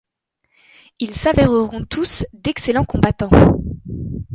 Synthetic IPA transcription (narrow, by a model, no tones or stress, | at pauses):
ilsavɛʁəʁɔ̃t̪ʰusd̪ɛkselɑ̃kɔ̃bat̪ɑ̃